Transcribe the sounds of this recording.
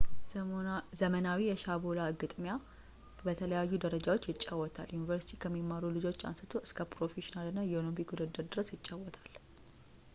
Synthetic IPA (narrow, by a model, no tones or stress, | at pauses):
zəmənawijɛʃabolaɡɨt̪ʼmja | bət̪ʰələjajːud̪əɾəd͡ʒawo̞t͡ʃːjɪt͡ʃʼːawːɔt̪ʰaljunivəɾsit̪ʰikʰəmːimːaɾulɨd͡ʒot͡ʃːa̰nsɨt̪ʰo̞ʔɨskʰəpɾo̞feʃinalɨnːajɛonobiɡud̪əd̪əɾd̪ɨɾəsjɪt͡ʃʼːawɔt̪ʰḁl